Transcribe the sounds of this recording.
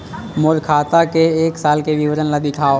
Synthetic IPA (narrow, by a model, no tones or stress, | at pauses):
moːlkʰaːt̪akeeːksaːlkeʋɪʋəɾənlad̪ɪkʰaːo